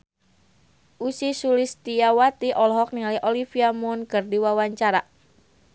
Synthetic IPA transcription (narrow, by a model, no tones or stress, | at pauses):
ʔusisulist̪iawat̪iʔɔlɦɔk̚niŋaliʔɔlifiamʊnkərdiwawaɲt͡ʃaɾa